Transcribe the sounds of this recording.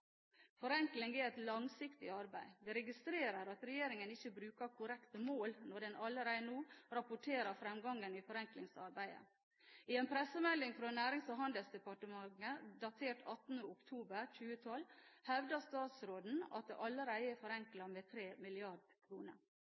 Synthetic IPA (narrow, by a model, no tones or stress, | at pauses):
fɔɾɛŋklɪŋɡɪːɛt̪lɑŋsɪkt̪ɪɑɾbæɪd̪ɛɾɛɡɪst̪ɾeːɾəɾɑt̪ɾɛjeːɾɪŋənɪçːəbɾʉːkəɾkʰʊɾɛkt̪əmoːlnɔɖɛnʔɑlːəɾæɪnuːɾɑpʊʈʰeːɾəɾfɾɛmɡɑŋːənifɔɾɛŋklɪŋsɑɾbæɪə̰ | ɪɛːnpʰɾɛsəmɛlːɪŋfɾoːnæːɾɪŋsɔɦɑnd̪əlsd̪ɛpɑʈəmɑŋːəd̪ɑt̪ʰeːʈʰɑt̪ːn̩əʊkt̪ʰuːbəɾc͡çʉːət̪ʰɔlːhɛʋd̪əst̪ɑːt̪sɾoːd̪n̩ɑ̰t̪̚d̪ɛ̰ːʔɑlːəɾæɪəɛfɔɾɛŋklɑmeːt̪ʰɾeːmɪlɪɑɖkʰɾuːnə̰ɾ